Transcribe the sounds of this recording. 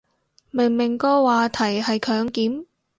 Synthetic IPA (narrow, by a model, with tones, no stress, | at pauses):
mɪ˨˩ŋmɪ˨˩ŋkɔː˧waː˨˧t̪ʰɐ˨˩jhɐ˨jkʰœː˨˥ŋkiː˨˥m